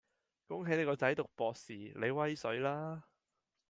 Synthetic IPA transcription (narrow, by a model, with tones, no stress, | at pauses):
kʊ˥ŋɦe˨˥jne˨˧jkɔː˧t͡sɐ˨˥jt̪ʊ˨k̚pɔː˧k̚siː˨˩le˨˧jwɐ˥jsɵ˨˥ɥlaː˥